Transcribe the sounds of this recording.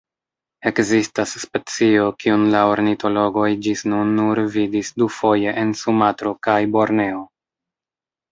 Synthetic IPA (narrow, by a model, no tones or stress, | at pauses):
e̞kzistasːpe̞t͡sio̞kiunlaoɾnito̞lo̞ɡo̞jd͡ʒisnunːuɾvidisdufo̞je̞ʔensumatɾo̞kajbo̞ɾne̞o